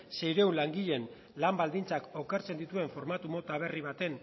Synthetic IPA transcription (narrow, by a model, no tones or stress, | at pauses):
se̞jɾe̞unlaŋɡiʎe̞n | lambald̪int͡sako̞ke̞ɾt͡se̞nd̪it̪ue̞ɱfo̞ɾmat̪umo̞t̪aβ̞e̞riβ̞at̪e̞n